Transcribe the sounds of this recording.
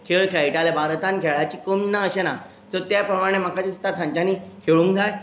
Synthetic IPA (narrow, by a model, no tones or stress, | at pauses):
kʰeɭkʰeaiʈalebʱaɾt̪ankʰeɭat͡ɕiːkominaəɕena | d͡zət̪japɾəmaɽ̃em̤akat͡ɕist̪at̪ʰãɲt͡ɕaniːkʰeɭũŋkd͡zaj